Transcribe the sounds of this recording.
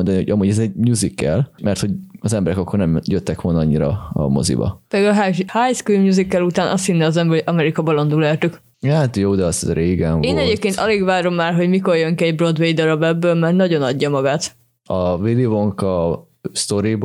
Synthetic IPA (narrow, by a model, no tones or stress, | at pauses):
ond̪ɒniho̞̰ɟɒmuːɟɛzɛɟmɲuːzikːɛ̰lmɛrt̪ho̞ɟɒzɛmbɛɾɛkɒkːornɛmjøt̪ːɛkʋo̞lnɒɒɲːiɾɒ̰ɒ̰mo̰zḭbɒ̰ped̪ɡɦahajskɾimɲuːzikːɛlut̪aːnʔɒ̰st̪inːɛɒzɛmbɛoɒmɛɾikɒbɒlond̪ulɛrt̪yk | hat̪joːd̪ɛɒsɾeːɡɛɱeːnɛɟeːp̚keːnt̪ɒleːɡvaːɾo̞mːaːrɦo̞ɟmiko̞rjøŋkiɛɟbro̞d̪ʋejd̪ɒɾɒbɛbːøːlmɛrnɒɟo̞nɒɟːɒmɒɡaːt̪ | ɒvilivoŋkɒ | st̪o̞ɾib